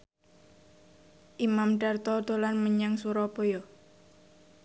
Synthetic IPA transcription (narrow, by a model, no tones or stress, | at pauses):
ʔimamɖart̪ɔd̪olanməɲaŋsuɾɔpojo